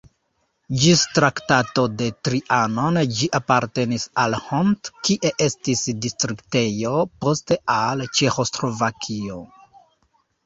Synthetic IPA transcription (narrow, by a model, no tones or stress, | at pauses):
d͡ʒistɾaktato̞de̞tɾiʔano̞nd͡ʒiʔapaɾte̞nisalhontkiʔe̞ʔe̞stisdistɾikte̞jo̞po̞ste̞alt͡ʃe̞xo̞sɾo̞vakʰio